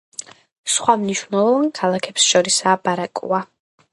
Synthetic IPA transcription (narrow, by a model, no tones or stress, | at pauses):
sχwamniʃvnɛlˠɔvankʰalˠakʰɛpsʃɔɾisaːbaɾakʼṵa